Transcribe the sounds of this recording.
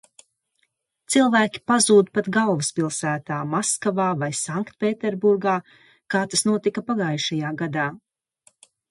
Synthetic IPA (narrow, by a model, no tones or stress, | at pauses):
t̪silˠvæːkʲi̥pazuːd̪pat̪ɡalˠvɨspilˠsæːt̪aːmaskavaːvajsaŋkt̪̚pʲeːt̪ɛɾbuɾɡaː | kaːt̪asnuɔt̪ikapaɡaːjʃajaːɡad̪aː